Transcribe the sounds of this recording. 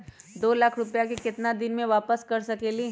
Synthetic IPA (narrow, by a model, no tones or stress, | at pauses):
d̪oːlaːkʰɾʊpjakikɪt̪nad̪ɪnmẽʋaːpəskɐɾsɐkeːli